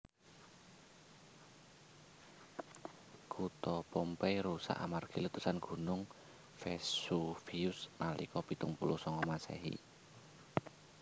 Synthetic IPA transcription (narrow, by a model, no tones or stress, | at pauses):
kut̪ɔpompɛɾusa̰ʔamarɡ̥i̤lut̪usanɡ̥ṳnʊŋ | fɛsufiusmalḭkɔpit̪uŋpulusɔŋɔmasɛ̰ɦḭ